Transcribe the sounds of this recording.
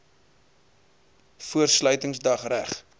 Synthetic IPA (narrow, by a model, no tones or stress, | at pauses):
fuərslœɥtəŋsdɐχræχ